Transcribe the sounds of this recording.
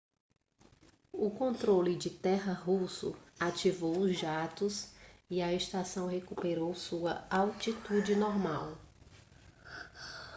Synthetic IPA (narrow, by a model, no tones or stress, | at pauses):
ʊkõnt̪ɾolɪd͡ʒɪt̪ɛɦɐɦusʊ̰at͡ʃivowʊzʒat̪ʊsiɐest̪asɐ̃w̃ɦekupeɾowsuɐawt͡ʃit̪ud͡ʒɪnɔɾmaw